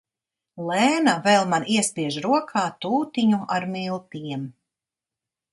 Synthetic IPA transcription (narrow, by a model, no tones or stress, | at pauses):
lˠɛːnavɛlˠmaniɛspiɛʒɾuɔkʰaːt̪uːt̪iɲuaɾmilˠt̪iɛm